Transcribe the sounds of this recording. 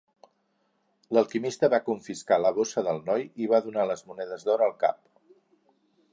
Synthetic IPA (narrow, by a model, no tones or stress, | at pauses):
ləlˠkimist̪əβakuɱfiskaləβosəðəlˠnɔjiβaðunaləzmunɛðəzðɔɾəːlˠka̰p̚